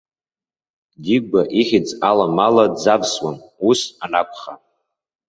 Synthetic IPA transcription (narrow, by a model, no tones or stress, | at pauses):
diɡ̚ɡaʔiχʲɪt͡sʼalamaladzabswamusanapʰχa